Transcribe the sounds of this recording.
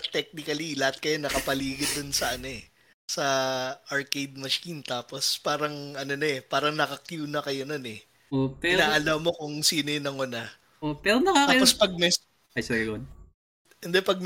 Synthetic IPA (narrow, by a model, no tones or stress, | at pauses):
t̪ɛk̚nɪkɐlilɐhat̪̚kɐjonɐkɐpɐliːɡɪd̪onsɐʔɐnoɛ | sɐʔɐɹkejd̪̚mɐʃint̪aːpo̞spaːɾɐŋʔɐno̞nɐɛpaːɾɐŋnɐkɐkjuːnɐkɐjononɛ | opɛɪɾnaːʔɐlɐmo̞kʊŋsiːnojnɐŋʊnɐ | opɛɾonɐkaːaːjpospɐɡ̚mɛ | ajsɛɾiɡɐn | ɛnd̪ɛpɐɡ̚m